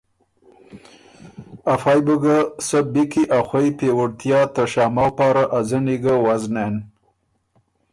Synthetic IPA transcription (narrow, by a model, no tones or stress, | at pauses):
afɑjbəɡasabikiʔaxwajpewəɽt̪jɑt̪əʃɑːmawpɑɾaʔazəniɡawaznen